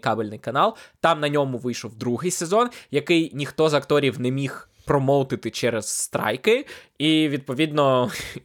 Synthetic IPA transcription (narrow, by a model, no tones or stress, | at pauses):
kɑbelʲnɪjkɐnɑlˠt̪ɑmnɐnʲɔmʊʋɪjʃɔwd̪ɾuɦɪjsezɔnjɐkɪjnʲixt̪ɔzɐkt̪ɔɾʲiwnɛmʲix | pɾɔmɔwˠt̪ɪt̪ɪt͡ʃɛɾɛzːst̪ɾɑ̰jkɪiʋʲid̪pɔʋʲid̪nɔ